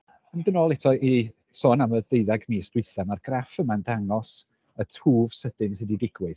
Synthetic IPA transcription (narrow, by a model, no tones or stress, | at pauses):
əndənoːlˠɛtʰɔʔi | sɔːnamədeɨðaɡmiːsdwɪɨθamarɡ̥rafəmandaŋɔs | ətʰuːv̥səd̥ɪnsididɪɡwɨð